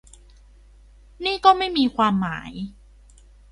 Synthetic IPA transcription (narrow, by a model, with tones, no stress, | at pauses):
niː˥˩kɔː˥˩ma˥˩jmiː˧kʰwaː˧mːaː˩˦j